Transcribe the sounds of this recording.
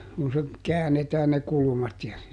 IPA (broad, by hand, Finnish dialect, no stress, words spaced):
kun se kæːnetæːn ne kulumɑt jɑ